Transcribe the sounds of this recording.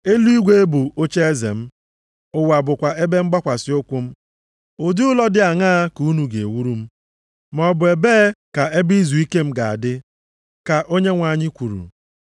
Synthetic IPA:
e˦lu˦i˦ɡʷe˦e˦bu˨o˦t͡ʃe˦e˦zḛ˨m̩˦ | ʊ˨wa˨bʊ˨kʷa˨e˦be˦m̩˦ɡ͡ba˦kʷa˨sɪ˦o˦kʷu˦m̩˦ | ʊ˨di˦ʊ˦lɔ˦dɪ˦a˨ŋa˦ku˨˦nu˨ɡe˨wu˦ɾu˦m̩˦ | mɔ˨bʊ˨e˨beː˦ka˨e˦bi˦zu˨i˦ke˦m̩˦ɡa˨a̰˨dɪ˦ | ka˨ʔo˦ɲe˦ŋʷa˨ɲɪ˦kʷu˨ɾṵ˨

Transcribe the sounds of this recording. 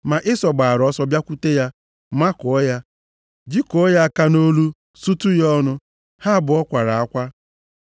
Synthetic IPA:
ma˨ʔɪ˦sɔ˨ɡ͡ba˨a˨ɾɔ˦sɔ˦bja˦kʷu˦te˦ja˦ | ma˦kɔ˨˦ja˦ | d͡ʒi˦kɔ˨˦ja˦˨ka˦no˦lu˦ | su˦tu˦jɔ˦nʊ˦ | ha˦bʊ˨ɔ˦kʷa˨ɾa˨a˦kʷa˦

